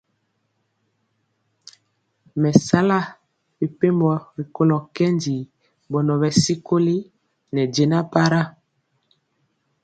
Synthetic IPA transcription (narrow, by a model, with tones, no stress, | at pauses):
mɛ˨sa˦la˦˨ | bi˨pe˦mbɔ˨bi˨ko˦lɔ˨kɛ˦ndi˨ | bɔ˨nɔ˨βɛ˨si˦ko˦li˦ | nɛ˨de˨na˦pa˦ɾa˦